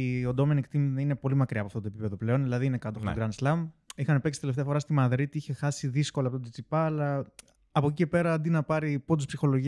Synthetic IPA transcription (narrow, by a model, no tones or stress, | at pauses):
o̞nd̪o̞me̞nikt̪imine̞po̞limɐkɾiɐpoɐft̪ot̪opipe̞ðo̞ple̞o̞nðilɐðiinekɐt̪ofotoɡɾɐnslɐmixɐnepe̞ksi̥t̪eleft̪eɐfoɾɐst̪imɐðɾit̪iiçe̞xɐsiðisko̞lɐpot̪ot̪it͡sipɐːlɐ | ɐpo̞cice̞pe̞ɾɐɐnd̪inɐpɐɾipod̪uspsixo̞lo̞ʝi